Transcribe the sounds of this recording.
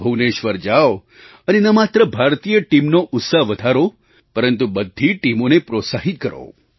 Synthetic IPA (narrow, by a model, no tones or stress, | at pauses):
bʱəʋneʃʋəɾd͡ʒaʋ | ənenəmat̪ɾəbʱaɾt̪ijəʈimnoʔʊt̪səɦʋəd̪ʱaɾo | pəɾənt̪ubəd̪ʱːiʈimonepɾot̪saɦit̪̚kəɾo̰